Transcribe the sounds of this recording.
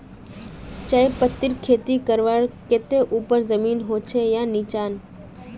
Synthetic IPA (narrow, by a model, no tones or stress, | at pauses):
t͡ʃaːepət̪ːɪɾkʰeːt̪ikəɾʋaːɽkeːt̪eʔuːpəɾzəmiːnɦoːt͡ʃʰejãːnit͡ʃaːn